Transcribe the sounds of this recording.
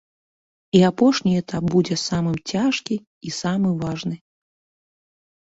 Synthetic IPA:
iapɔʂnʲiɛt̪ʰap̚bud͡zʲɛsamɨmt͡sʲaʂkʲiː | samɨvaʐnɨ

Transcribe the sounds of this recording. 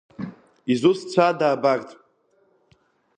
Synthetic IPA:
izust͡sʷʰadaːbakʼtʼ

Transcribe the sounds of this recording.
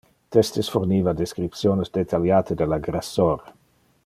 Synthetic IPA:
t̪est̪esfoɾniːvad̪eskɾipt̪sjoːnesd̪et̪ʰaljaːt̪ed̪elaɡɾasːoːɾa

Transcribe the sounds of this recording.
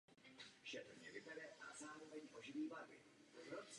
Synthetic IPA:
ʃɛt̪ɾɲɛvɪbɛdɛʔazaːɾo̞vɛɲʔoʒɪviːvadɪ | ɾot͡s

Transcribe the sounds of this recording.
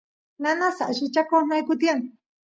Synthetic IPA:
nanasaʔʃit͡ʃakonajkʊt̪ian

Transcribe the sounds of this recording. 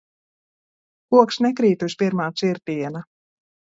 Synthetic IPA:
uɔkʃnɛkɾiːt̪usʲpiɾmaːt̪siɾt̪iɛna

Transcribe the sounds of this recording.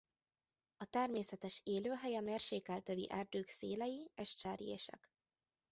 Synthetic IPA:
ɒt̪ɛrmeːsɛt̪ɛʃeːløːɦɛjɛmeːrʃeːkɛlt̪øvḭʔɛːrd̪øːkseːlɛjieʃt͡ʃaːɾjḛːʃɛ̰k

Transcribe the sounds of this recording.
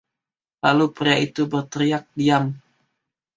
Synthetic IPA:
lalupəɾait̪ubərt̪əɾijak̚diam

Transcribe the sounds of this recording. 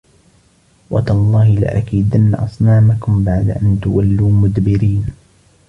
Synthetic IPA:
wʔat̪lˤːɑːhɪlɪ̰ʔakiːd̪anːaʔɑsˤnaːmakʊmbaʕd̪a̰ʔant̪ʊwalːuːmʊd̪bɪɾiːn

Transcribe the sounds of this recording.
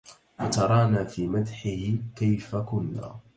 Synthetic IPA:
wat̪ɑɾˤɑːnaːfiːmat̪ħɪhɪkajfakʊnːa̰ː

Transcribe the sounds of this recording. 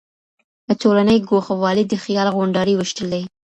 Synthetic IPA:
ətolanəjɡoxawɑlid̪əxjɑlɣoɳɖɑɾiwəʃʈəld̪aj

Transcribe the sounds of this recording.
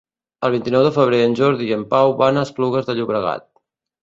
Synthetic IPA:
əlˠβ̞int̪inɔwðəfəβ̞ɾeənʲʒɔɾðiəmpawβanəspluɣ̞əzðəʎuβɾəɣa̰t̪̚

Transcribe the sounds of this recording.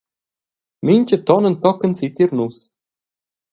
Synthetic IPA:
minʲt͡ɕət̪ɔnə̆nt̪ɔkə̆nsit̪iɾnus

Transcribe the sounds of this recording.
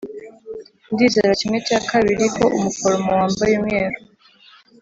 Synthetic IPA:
ndizeɾacimwet͡ʃaːkaβiɾikoʔumufolomowaːmbajemɲeːɾo

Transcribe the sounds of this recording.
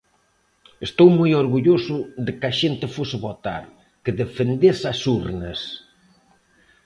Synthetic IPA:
est̪owmojoɾɣuʎosʊðɪkaʃent̪ɪfosɪβot̪a̰ɾ | kɪðefend̪esasuɾnɐs

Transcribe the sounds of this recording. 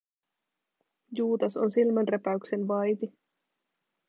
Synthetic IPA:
juːd̪ɑso̰nsilmænrepæykse̞nʋɑjt̪i

